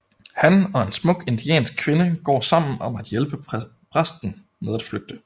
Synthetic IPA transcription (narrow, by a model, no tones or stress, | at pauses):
hænɒ̽e̝nsmɔ̽ɡ̥e̝nd̥iɛ̰ːnsɡ̥̚kʰʋe̝nəɡ̥ɒ̰ːsɑ̈m̰n̩ɒ̽mæd̥jelb̥ə | pʰʁasd̥n̩ | með̞ˠæd̥fløɡ̥̚d̥ə